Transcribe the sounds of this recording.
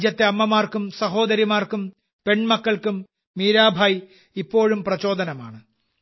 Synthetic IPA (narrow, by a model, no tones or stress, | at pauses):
d͡ʑjɐt̪ːeɐmːɐmaːrkumsɐɦo̞ːd̪ɐɾimaːrkum | pe̞ɳmɐkːɐɭkumː | iːɾaːbʱaːj | ipːo̞ːɻumprɐt͡ɕo̞ːd̪ɐnɐma̰ːɳɨ